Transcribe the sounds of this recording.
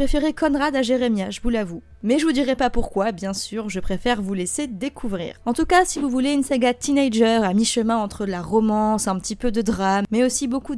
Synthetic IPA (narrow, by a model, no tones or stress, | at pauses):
χefeʁekɔnʁad̪aʒeʁemjaʒəvulavu | mɛʒəvud̪iʁɛpapuʁkwabjɛ̃syːʁʒəpχefɛʁvulesed̪ekʰuvʁḭːʁɑ̃t̪ukasivuvuleynsaɡat̪inejʒœʁamiʃəmɛ̃ɑ̃t̪χəəlaʁɔmɑ̃sɛ̃pət̪ipød̪əd̪ʁamːɛosiboku